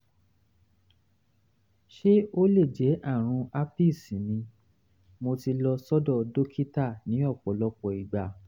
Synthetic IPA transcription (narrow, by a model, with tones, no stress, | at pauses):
ʃe˦o˦le˦˨d͡ʒɛ˨˦ʔa˦˨ɾ̃ũ˧a˦pi˦˨sĩ˨˦nĩ˧ | mo˧ti˧lɔ˧sɔ˦dɔ˦˨do˦kʰi˦ta˦˨nĩ˨˦ɔ˦˨k͡pɔ˨˦lɔ˧k͡pɔ˨i˨ɡ͡ba˨